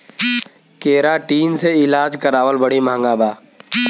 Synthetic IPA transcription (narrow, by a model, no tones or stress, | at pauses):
keːɾaʈiːnseɪlaːd͡ʒkəɾaːʋəlbəɽimãːŋɡaːbaː